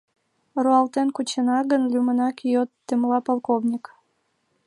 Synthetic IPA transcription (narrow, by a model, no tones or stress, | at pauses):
ruɑlt̪enkut͡ɕenɑɣənlʲymənɑkijot̪ːemlɑpolˠkovnʲik